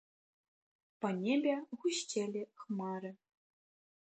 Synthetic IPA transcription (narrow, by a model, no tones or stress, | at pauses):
pɐnʲebʲɛɣuɕt͡ɕʲelʲixmɑɾɘ̆